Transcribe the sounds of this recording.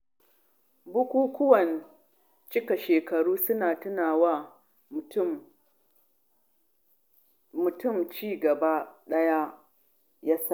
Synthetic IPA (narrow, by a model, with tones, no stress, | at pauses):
bʊ˦kʷuː˦kʷʊ˦wɐ˨n | t͡ʃɪ˦ka˨ʃeː˨kɐ˨ɽuː˦sʊ˦naː˨tʊ˦naː˨wa˦ | mʊ˨tʊ˦˨mt͡ʃiː˦ɡɐ˨ba˦ɗɐ˦ja˦ | ja˦sa˦ʔ